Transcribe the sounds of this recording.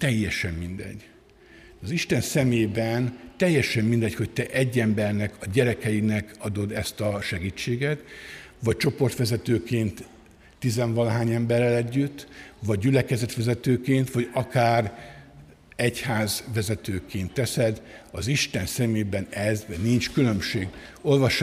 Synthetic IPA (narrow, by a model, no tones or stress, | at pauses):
t̪ɛjːɛʃɛmːind̪ɛ̰ɟː | ɒziʃt̪ɛnsɛmeːbɛnt̪ɛjːɛʃɛmmind̪ɛcho̞ct̪ɛʔɛɟːɛmbɛrnɛkɒɟɛɾɛkɛjinɛkɒd̪o̞d̪ɛst̪ɒʃɛɡiːt͡ʃːeːɡɛt̪ | ʋɒc̚t͡ʃo̞po̞rt̪ʋɛzɛt̪øːkeːnt̪ː | izɛɱvɒnɦaːɲɛmbɛrːɛlɛɟːyt̪ːʋɒɟ̚ːylɛkɛzɛt̪ʋɛzɛt̪øːkeːnt̪ʋɒɟɒkaːr | ɛchaːzʋɛzɛt̪øːkeːnt̪ːɛsɛd̪ɒziʃt̪ɛnsɛmeːbɛnɛznint͡ʃkylø̞mʃeːɡ | o̞lvɒʃ